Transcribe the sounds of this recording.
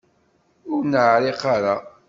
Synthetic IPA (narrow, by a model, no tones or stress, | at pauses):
ʊɾnʕɾeqaɾa